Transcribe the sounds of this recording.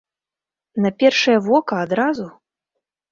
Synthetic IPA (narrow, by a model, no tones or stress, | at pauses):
nɐpʲɛrʂɐjɐvɔkɐːd̪ɾazu